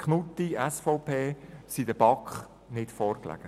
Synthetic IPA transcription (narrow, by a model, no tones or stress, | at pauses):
kχnutːiɛsfɔʊpʰeːsidəb̥ɑkχ | nɪtfɔːrklæ̰ːɡ̥ə